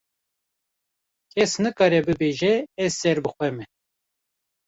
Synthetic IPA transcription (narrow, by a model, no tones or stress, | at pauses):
kʰɛsnɨkɑːɾɛbɨbeːʒɛɛzsɛɾbɨxʷɛmɛ